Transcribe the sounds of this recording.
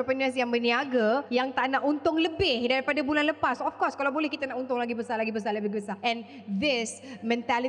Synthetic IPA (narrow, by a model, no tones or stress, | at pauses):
əpənəsjaŋbəniaɡajaŋt̪aʔnaʔunt̪ʊŋləbɪhdaɾipadabulanləpasɔfkɔskalawbolɛhkit̪anaʔunt̪ʊŋlaɡibəsalaɡibəs̬aləbɪɦbəsaʔɛ̃n | d̪ɪsmɛ̃nt̪ali